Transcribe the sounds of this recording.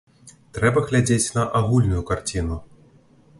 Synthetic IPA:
t̪ɾɛbɐɣlʲad͡zʲet͡sʲnɐʔaɣulʲnujukart͡sʲinu

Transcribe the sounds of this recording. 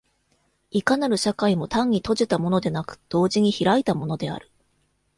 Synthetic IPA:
ikanaɾɯ̟ɕakaimo̞t̪ãɲ̟ːit̪o̞ʑit̪amo̞no̞d̪e̞nakɯ̥d̪̥o̞ːʑiɲ̟içiɾait̪amo̞no̞d̪e̞a̰ɾɯ̟̥

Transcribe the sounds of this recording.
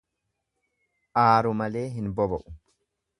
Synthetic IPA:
ʔaːɾʊmɐle̞ːɦɪnbɔbɐʔʊ̥

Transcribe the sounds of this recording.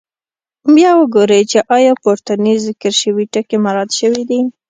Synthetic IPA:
bjɑwəɡoɾəjt͡ʃeʔɑjɑpoɾt̪anizɪkəɾʃəwiʈəkemaɾɑd̪ʃəwid̪i

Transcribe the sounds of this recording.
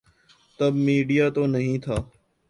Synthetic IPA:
t̪əbmiːɖijaːt̪oːnəɦĩːt̪ʰaː

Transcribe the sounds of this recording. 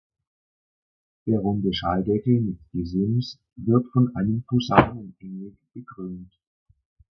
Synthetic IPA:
d̥eːɐʁʊmdəʃaldɛkl̩mɪtɡ̥ezɪms | vɪɐtfɔnʔaɪnəmpʰuzaːnənʔɛŋə | b̥əɡʁønt

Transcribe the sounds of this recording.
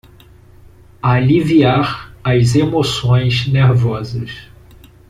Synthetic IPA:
aliviaɾɐzemosõj̃zneɾvɔzɐs

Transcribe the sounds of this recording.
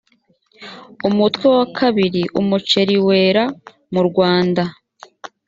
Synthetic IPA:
umutwewakʰaβiɾiʔumut͡ʃe̞ɾiwe̞ːɾa | muɾɡwaːnda

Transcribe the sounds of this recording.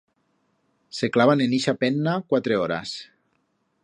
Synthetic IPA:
seklaβaneniʃapɛnːakwat̪ɾeɔɾa̰s

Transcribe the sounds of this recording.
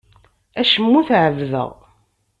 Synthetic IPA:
æʃəmːuθʕəvðə̰ʁ

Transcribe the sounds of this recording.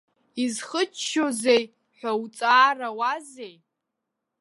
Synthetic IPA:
izχət͡ʃʃo̞zej | ħʷᶣawt͡sʼaːrawazej

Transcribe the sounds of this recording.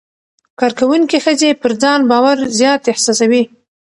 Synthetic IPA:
kɑɾkawuŋkixəzepəɾd͡zɑnbɑwaɾzjɑt̪ɪhsɑsawi

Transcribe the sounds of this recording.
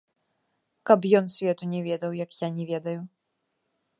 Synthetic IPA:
kɐpjɔnsʲvʲɛt̪unʲɛvʲɛd̪ɐwjɐkjanʲɛvʲɛd̪ɐju

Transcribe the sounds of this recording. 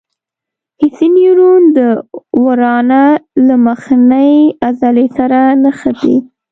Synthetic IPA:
hɪsiniɾund̪əwaɾɑnalaməxnəjazalesaɾanəxad̪ḭ

